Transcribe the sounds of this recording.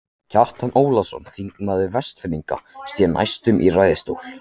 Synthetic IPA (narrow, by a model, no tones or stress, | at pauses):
cʰar̥t̪anʔoːwlasɔ̰nfiŋknaðɪvɛst̪fɪnːiŋka̰st̪jɛna̰jst̪ʏmʔirajðɪst̪owl̥